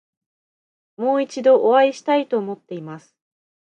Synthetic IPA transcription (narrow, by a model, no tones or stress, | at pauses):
mo̞ːit͡ɕid̪o̞ʔːβaiɕi̥t̪ait̪o̞ːmo̞t̪ːe̞imasɨ̥